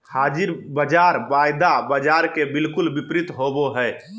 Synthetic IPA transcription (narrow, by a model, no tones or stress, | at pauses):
had͡ʒiɾbəd͡ʒaɾbajd̪abəd͡ʒaɾkebilkulbipɾit̪ɦoboɦɛ